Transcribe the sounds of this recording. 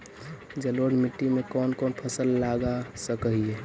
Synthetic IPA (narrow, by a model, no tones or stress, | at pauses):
d͡ʒəloɽmiʈːimekɔnkɔnpʰəsəlːaɡasəkəɦie